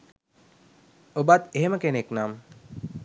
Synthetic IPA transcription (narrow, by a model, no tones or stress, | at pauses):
obat̪eɦeməkeneknam